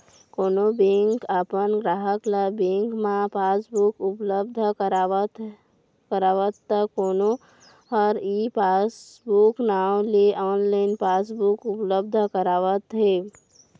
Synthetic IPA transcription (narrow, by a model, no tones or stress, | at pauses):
koːnobẽŋkapənɡɾaːɦəklabẽŋkmãpaːsbukʊpləbd̪ʱəəɾat̪ | kəɾaːʋət̪ːəkoːno | ɔɾipasbuknaːwleʔɔːnlaɪnpaːsbukʊpləb̚d̪ʱəkəɾaːʋət̪ɦe